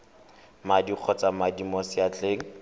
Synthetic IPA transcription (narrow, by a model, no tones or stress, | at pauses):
madiq͡χʰɔt͡samadimɔsɪat͡ɬʼeːŋ̩